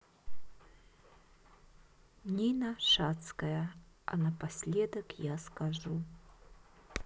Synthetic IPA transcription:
nʲinɐʂat̪skɐjɐɐ̰nɐpasʲlʲɛd̪ɐkjaskaʐu

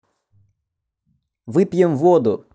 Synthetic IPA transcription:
ʋɪpjɛmʋɔd̪ʊ

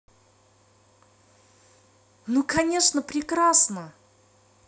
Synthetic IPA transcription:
nukɐnʲe̞ʂnəpɾʲɪkɾasnə

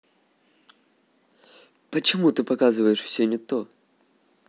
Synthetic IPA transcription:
pət͡ɕɪmut̪ɨpɐkazɨvəjɪʂfsʲɵnʲɪt̪o

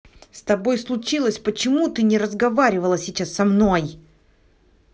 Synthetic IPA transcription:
st̪ɐbo̞jslˠʊt͡ɕilˠəsʲpət͡ɕɪmut̪ɨnʲɪɾəzɡɐvaɾʲɪvəlˠəsʲɪt͡ɕasːɐmno̞j

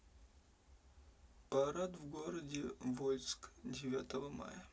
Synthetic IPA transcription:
pɐɾat̪vɡoɾədʲɪvolʲskdʲɪvʲat̪əvəma̰jə

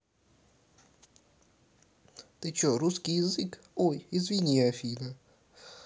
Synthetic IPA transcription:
t̪ɨt͡ɕoɾuskʲijɪzɨk | ojɪzvʲɪnʲiɐfʲinə

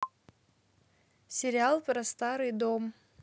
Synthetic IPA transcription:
sʲɪɾʲɪalˠpɾɐst̪aɾɨjd̪om

